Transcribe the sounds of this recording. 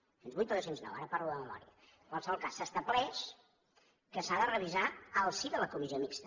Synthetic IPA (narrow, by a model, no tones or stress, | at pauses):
senzβujt̪oðowsenznɛ̰wa̰ɾəpaɾluðəməmɔ̰ɾiə̰ | əŋkwalˠsəβɔlˠkasːəst̪əβlɛʃ | kəsaðərəβizaəlˠsiðələkumiziomikst̪ə̥